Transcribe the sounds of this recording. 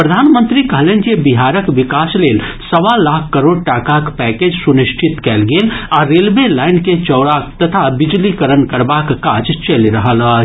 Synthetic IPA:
pɾəd̪ʱaːnmə̃nt̪ɾikɐɦleːnkebɪɦaːɾəkʋɪkaːsleːlsɐʋalaːkʰkːɐɾoːɽʈaːkakpɛːkeːd͡ʒsʊnɪʃʈʰɪt̪kɛlɡeːlɔːɾeːlʋelaːɪnket͡ʃɔːɽakt̪ɐt̪ʰabɪd͡ʒlikəɾənkɐɾbaːkkaːd͡ʒt͡ʃɐlɾɐɦala

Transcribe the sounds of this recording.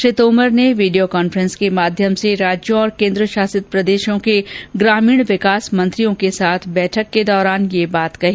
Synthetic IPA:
ʃɾɪt̪oːməɾneʋiːɖijokaːnfəɾə̃nskemaːd̪ʱjəmseɾaːd͡ʒjõɔːɾkẽːnd̪ɾəʃaːsɪt̪̚pɾɐd̪eːʃõkeɡɾaːmiːɽ̃ʋɪkaːsmɐ̃nt̪ɾijõkesaːt̪ʰbɛːʈʰəkːed̪ɔːɾaːnjebaːt̪kɐɦiː

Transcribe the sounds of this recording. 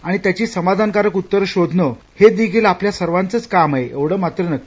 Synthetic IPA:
aɽ̃it̪jat͡ɕiːsəmad̪ʱankaɾəkut̪ːəɾɕod̪ʱnə | hed̪iɡʱilapljasəɾʋant͡sət͡skamaɦeʔeʋɽ̤əːmat̪ɾənəkː

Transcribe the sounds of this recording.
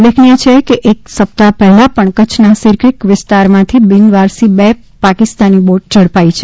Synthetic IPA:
lekʰnijət͡ʃʰekeʔeksəp̚t̪apɛɦɛlapəɳkət͡ʃʰnasɪɾkɾikʋɪst̪aɾmãt̪ʰibɪnʋaɾsibe | pakɪst̪aniboʈ̚d͡ʒəɽpait͡ʃʰe

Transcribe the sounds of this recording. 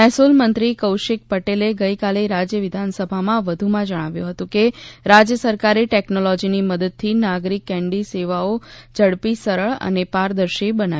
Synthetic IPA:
ɛɦsulmənt̪ɾikəwʃɪk̚pəʈeleɡəjkaleɾad͡ʒjəʋɪd̪ʱansəbʱamãʋəd̪ʱumãd͡ʒəɽ̃aʋjũɦət̪ũkeɾad͡ʒjəsəɾkaɾeʈeknolɔd͡ʒiniməd̪əd̪̚t̪ʰinaɡɾikːɛ̃ɳɖiseʋaod͡ʒəɽpisəɾəɭə̰nepaɾd̪əɾʃibəna

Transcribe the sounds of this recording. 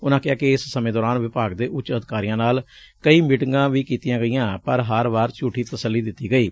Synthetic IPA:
ʊnãːkɪaːkɪɪssəmẽːd̪ɔːɾaːnʋɪpaːɡd̪eːʔʊt͡ʃːəd̪ɪkaːɾɪjãːnaːl | kəiːmɪʈŋɡãːʋiːkiːt̪ɪjãːɡəɪjãːpəɾɦəɾʋaːɾt͡ʃuːʈʰiːt̪əsəlːiːd̪ɪt̪ːiːɡəiː

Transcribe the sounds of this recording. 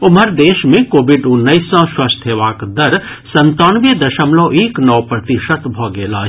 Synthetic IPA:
ʊməɾd̪eːʃmẽkoːbɪɖʊnːəisãʃwɐst̪ʰeʋaːkd̪ɐɾ | sɐ̃nt̪oːnʋjəd̪ɐʃəmloːʔeːknɔːpɾɐt̪iʃət̪bʱɔːɡeːlaː

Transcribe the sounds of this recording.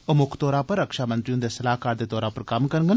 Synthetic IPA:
ʊmʊkʰt̪ɔːɾãːpəɾːəkʃaːmənt̪ɾiõːd̪eːsəlaːɦkaːɾd̪eːt̪ɔːɾãːpəɾkɐmkəɾɡən

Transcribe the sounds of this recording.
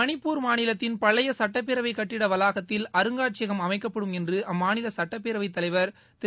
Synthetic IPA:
ɐnɪpːuːɾmaːnɪlɐt̪ːɪnpɐɭːɐjɐsɐʈːɐp̬ːeɾɐʋɐɪkɐʈːɪɽɐʋɐlaːɣɐt̪ːɪlɐɾɯŋɡaːʈ̚t͡ʃɪɐɣɐmɐmɐɪkːɐpːɐɽɯmɛndrɯʔɐmːaːnɪlɐsɐʈːɐpːeːɾɐʋɐɪt̪ːɐlɐɪʋɐɾ | t̪ɪ

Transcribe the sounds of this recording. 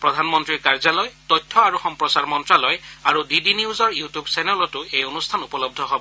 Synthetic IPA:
pɹɔdʱanmɔntɹiɹkaɹzalɔjtɔjtʰːɔaɹuxɔmpɹɔsaɹmɔntɹalɔjaɹudidiniuzɔɹjutjubsɛnɔlɔtʊejonustʰanupɔlɔb̚dʱɔɦobɔ

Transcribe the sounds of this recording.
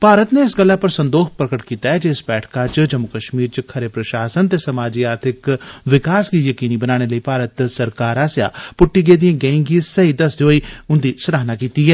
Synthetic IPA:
paːɾət̪neːɪsɡəlːaːpəɾsənd̪oːxʰpɾəkəʈkiːt̪aːɛːd͡ʒɪsbɛːʈʰkaːt͡ʃd͡ʒəmːʊkəʃmiːɾt͡ʃkʰəɾeːpɾəʃaːsənt̪eːsəmaːd͡ʒiːaːɾt̪ʰɪkʋɪkaːsɡiːjəkiːniːbənaːɽ̃eːləiːpaːɾət̪səɾkaːɾaːsja̰ːpʊʈːiːɡeːd̪ijãːɡɛ̃ĩːŋɡisəɦiːd̪əsd̪eoːiːʊnd̪iːsəɾaːnaːkiːt̪iːɦɛː

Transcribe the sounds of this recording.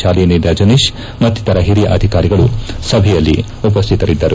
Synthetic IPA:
aːlijɐnid̪ɐd͡ʒɐniʃ | mɐt̪ːit̪ɐɾɐɦiɾijɐʔɐd̪ʱikaːɾiɡɐɭusɐbʱɛjɐlːḭ | up̬ɐst̪ʰit̪ɐɾid̪ːɐɾu

